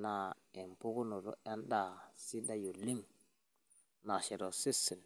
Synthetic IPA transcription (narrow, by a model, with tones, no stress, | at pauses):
na˨ | e˨m˨pu˦ku˦no˨ɾo̰˦a˦nda˦si˦da˦jo˨li˦m | na˨ʃe˨ɾo˨si˦si˨n